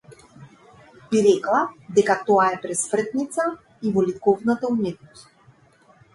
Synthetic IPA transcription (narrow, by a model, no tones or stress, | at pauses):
biɾɛklˠad̪ɛkat̪ɔaɛpɾɛsmr̩t̪nit̪sa | ivɔlikɔvnat̪aumɛt̪nɔst̪